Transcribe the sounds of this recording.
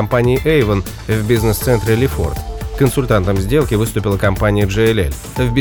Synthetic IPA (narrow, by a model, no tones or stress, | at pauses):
ɐmpanʲɪːʔejvən | vʲbʲiznɨst̪sɛnt̪ɾʲɪlʲɪfo̰rt̪kənsʊlʲt̪ant̪əmzʲdʲe̞lˠkʲɪvɨst̪ʊpʲɪlˠəkɐmpanʲɪjəʐɛɛlʲɛ̰lʲ | vbʲ